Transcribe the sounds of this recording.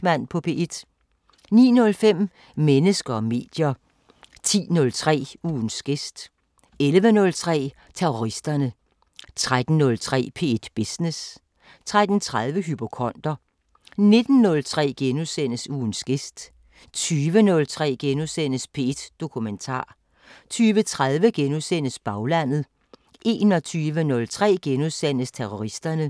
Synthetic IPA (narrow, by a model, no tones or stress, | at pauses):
mæn̰pʰɒ̽pʰe̝ʔed̥ | nḭːnɔ̽lfem̰ | menəsɡ̥ɐɒme̝̰ːd̥jɐ | t͡sʰḭːnɔ̽lt͡sʰʁɛ̰ːuːnsɡ̥e̝sd̥ | elʋənɔ̽lt͡sʰʁɛ̰ː | t͡sʰeoʁisd̥ɐnə | t͡sʰʁad̥n̩ːɔ̽lt͡sʰʁɛ̰ːpʰe̝̰ːed̥b̥isne̝s | t͡sʰʁad̥n̩t͡sʰʁað̞ˠʋəɦypʰo̝kʰɒ̽n̰d̥ɐ | ne̝d̥n̩ːɔ̽lt͡sʰʁɛ̰ːɡ̥enusen̰əsuːnsɡ̥e̝sd̥ | t͡sʰyːʋənɔ̽lt͡sʰʁɛ̰ːɡ̥enusen̰əspʰe̝ed̥d̥o̝kʰument͡sʰɑ̰̈ː | t͡sʰyːʋət͡sʰʁað̞ˠʋəɡ̥enuðˠsen̰əsb̥ɑ̈ʊlæn̰ð̞̩ˠ | ʔe̝̰ːnɒ̽t͡sʰyːʋənɔ̽lt͡sʰʁɛ̰ːɡ̥enuðˠsen̰əst͡sʰeʁoʁisd̥ɐnə